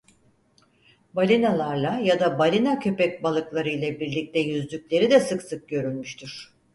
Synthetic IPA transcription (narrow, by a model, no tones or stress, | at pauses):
balʲinalˠaɾlˠajad̪abalʲinacʰø̞pɛc̚balˠɯklˠaɾɯjlʲˠɛbiɾlʲic̚t̪ɛjyzlʲycʲlʲe̞ɾid̪ɛsɯksɯk̚ɟø̞ɾylʲmyʃt̪ʰyɾ̥